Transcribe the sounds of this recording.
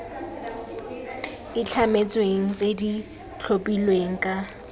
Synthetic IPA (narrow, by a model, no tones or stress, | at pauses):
ɪt͡ɬʰamet͡sʼweŋ̩t͡sʼedi | t͡ɬʰopʼilweŋ̩kʼa